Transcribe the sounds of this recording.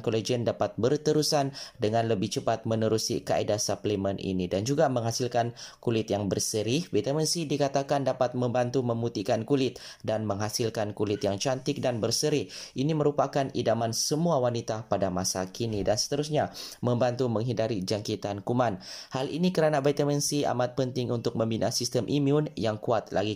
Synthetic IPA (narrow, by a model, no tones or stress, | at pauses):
nkoled͡ʒiəndapat̪̚bərt̪əɾusandəŋãnləbɪht͡ʃəpat̪̚mənəɾusḭka̰edasaplimənʔḭnidand͡ʒuɡamə̃ŋɦasilkankulɪt̪jaŋbərsəɾiwit̪amənsidikat̪akandapat̪̚mə̃mbant̪umə̃mbut̪ikankulɪt̪̚ | danmə̃ŋɦasilkankulɪt̪jaŋt͡ʃant̪ɪk̚danbərsəɾɪhʔiniməɾupakanḭdamansəmuawanit̪apadamasakinidansə̥t̪əɾus̬ɲamə̃mbant̪umə̃ŋɦidaɾid͡ʒaŋkit̪ankumanhalḭnikəɾanabet̪amənsia̰mat̪̚pənt̪ɪŋunt̪ʊk̚mə̃mbinʔasist̪əmʔimjuʊnjaŋkuat̪la̰ɡi